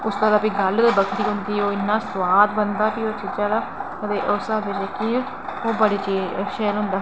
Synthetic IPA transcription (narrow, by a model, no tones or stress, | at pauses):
ʊst̪əɾaːpiːɡəld̪ebəkʰɾiːɦʊnd̪iːoːɪnːaːswaːd̪bənd̪aːpiːoːt͡ʃid͡ʒãːd̪aːkət̪eːʔosaːbɪd͡ʒeki | oːbəɽeːt͡ʃiːʃɛːlɦʊ̃nd̪aː